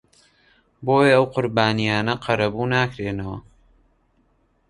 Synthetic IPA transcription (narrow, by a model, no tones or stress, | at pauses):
boːjeɐwqʊɾbaːnijaːnɐqʰɐɾɐbuːnaːkɾeːnɐwɐ̰